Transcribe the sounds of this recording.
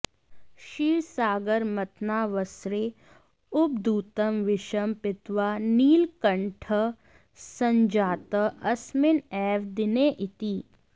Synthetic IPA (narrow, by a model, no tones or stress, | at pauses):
ʃiːɾsaːɡəɾmɐt̪naːʋəsɾe | ʊb̚d̪uːt̪əmʋɪʃəmpɪt̪ʋaːniːlkɐɳʈʰə | sɐ̃ɲd͡ʒaːt̪əɐsmɪnɛːʋd̪ɪneʔɪt̪iː